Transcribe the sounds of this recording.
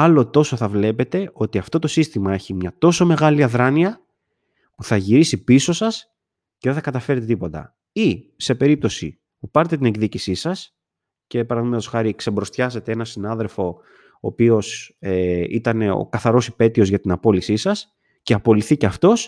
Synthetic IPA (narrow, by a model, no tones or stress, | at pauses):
ɐlo̞t̪o̞so̞θɐvle̞pe̞t̪e̞ʔo̞t̪iɐft̪o̞t̪o̞sist̪imɐe̞çimɲɐt̪o̞so̞me̞ɣɐliɐðɾɐniɐ | puθɐʝiɾisipiso̞sɐs | ceðe̞θɐkɐt̪ɐfe̞ɾet̪e̞t̪ipo̞t̪ɐ̰ | ise̞pe̞ɾip̚t̪o̞sḭ | pupɐɾet̪e̞t̪ine̞ɡðicisisɐs | ce̞pɐɾɐðimet̪osxɐɾiksembɾo̞st̪çɐse̞t̪ee̞nɐsinɐðe̞lfo̞ | o̰ːpio̞seit̪ɐne̞o̰kɐθɐɾo̞sipe̞t̪io̞zʝɐt̪inɐpo̞lisisɐs | ceɐpo̞liθiceɐft̪o̞s